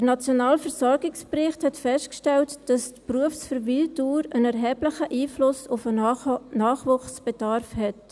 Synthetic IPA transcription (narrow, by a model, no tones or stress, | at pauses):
dənɑt͡sjonɑːlfəɾsɔɾɡɪksprɪχthɛtfɛstkʃtɛltd̥ɑstpɾuəfsfəɾvilduːɾənɛɾɦɛːbləχəʔiːflʊsʊfənɑːχʋuχsb̥ɛd̥ɑɾfhɛt